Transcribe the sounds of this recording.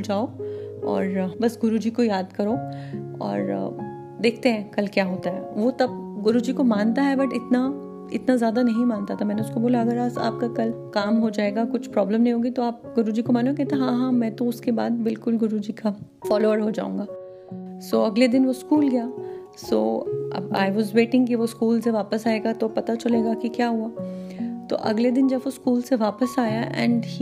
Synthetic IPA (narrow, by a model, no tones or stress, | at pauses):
d͡ʒaːoɔ̰ːɾbɐsɡʊɾud͡ʒikojaːd̪kɐɾoɔ̰ːɾ̰ | d̪eːkʰt̪eɦɛ̃kɐlkjaːɦoːt̪aɦɛʋot̪ɐb̚ɡʊɾud͡ʒikomaːnt̪aɦɛbɐʈɪt̪na | ɪ̰t̪nazjaːd̪anɐɦĩmãːnt̪at̪ʰamɛ̃ːneʊskoboːlaɐɡəɾaːsa̰ːp̚kakɐlkaːmɦod͡ʒaːeːɡakʊt͡ʃʰpɾɔːbləmnɐɦĩɦoːɡit̪oaːp̚ɡʊɾud͡ʒiːkomaːnoekɛːɦt̪ẽɦãːɦãːmɛ̃ːt̪oʊskeba̰ːd̪̚bɪlkʊlɡʊɾud͡ʒika | fɔːloːəɾɦod͡ʒa̰ːṵ̃ŋɡaː | soːɐɡled̪ɪnʋoskuːlɡɐjaː | so̰ːɐ̰ba̰ːɪʋɔːzʋeːʈɪ̃ŋɡkiʋoskuːlseʋaːpəsaːeːɡat̪opɐt̪at͡ʃɐleːɡakikjaːɦuaːt̪o̰ʔɐ̰ɡled̪ɪnd͡ʒɐbʋoskuːlseʋaːpəsaːjaʔɛ̰̃ɳɖ